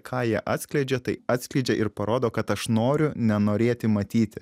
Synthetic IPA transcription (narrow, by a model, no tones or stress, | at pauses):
kʰɑːjiɛʔɑːt̪sʲklʲɛɪd͡ʒʲɛt̪ɐɪɑːt̪sʲklʲɛɪd͡ʒʲɛʔɪɾpɐɾoːd̪oːkɐt̪ɐʃnoːɾʲʊnʲɛnoːɾʲeːt̪ʲɪmɐt̪ʲiːt̪ʲɪ